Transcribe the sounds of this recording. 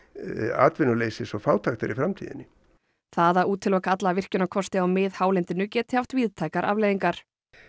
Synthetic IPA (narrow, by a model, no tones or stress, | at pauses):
a̰ːt̪vɪnʏleːjsɪsɔfaːwt̪ʰaxt̪aɾifɾamt̪ʰiːðɪ̰nːɪ | θaðauːt̪ʰːɪlɔkʰat̪laːvɪr̥cʏnakʰɔst̪ɪawmɪðhaːwlɛnt̪ɪnʏcɛːt̪ɪ̥haft̪viːðt̪ʰajkaɾʔa̰vlejðiŋkaɾ̥